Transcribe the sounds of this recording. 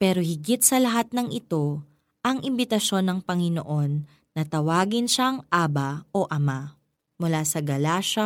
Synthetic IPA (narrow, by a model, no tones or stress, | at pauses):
pɛːɾohɪɡɪt̪̚sɐlɐɦat̪̚nɐŋʔɪt̪o̞ | ʔɐŋɪmbɪt̪ɐʃo̞nːɐŋpɐŋɪno̰ʔo̞nː | ɐt̪ɐwaːɡɪnʃaŋʔaːbɐoʔɐma | mʊlasɐɡɐlaːʃɐ